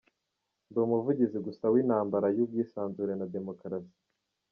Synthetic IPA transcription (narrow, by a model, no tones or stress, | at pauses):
nduːmuvuɟiziɡusawinhaːmbaɾajub̚ɡiːsaːnzuɾe̞nade̞mo̞kɾasi̥